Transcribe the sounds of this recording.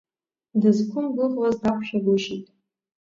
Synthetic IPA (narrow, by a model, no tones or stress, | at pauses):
dɨzkʷʰʊmbɨʁlazdakʷʰʃᶣaɡʷʊʃitʼ